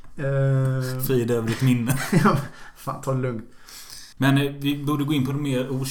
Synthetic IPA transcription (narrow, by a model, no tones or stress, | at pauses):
fɾiːd̪øːvəɾɪt̪mɪnːəjɑfa̰ːnt̪ʰɑːɾlɵŋkt̪ | mɛnvɪbuːɖəɡoːɪnpʰɔd̪ɔmːeːɾuː